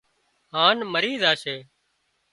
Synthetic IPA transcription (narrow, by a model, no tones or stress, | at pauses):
ɦaːnməɾiːzaːseː